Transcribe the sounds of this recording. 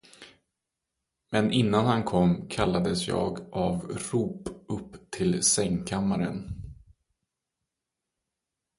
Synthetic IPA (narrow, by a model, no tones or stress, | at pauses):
mɛnʔɪnːanhankʰɔmːkʰalːad̪əsjɑ̰ːɡʔavɾuːpɵpːt̪ʰɪlsɛŋkʰamːaɾə̰n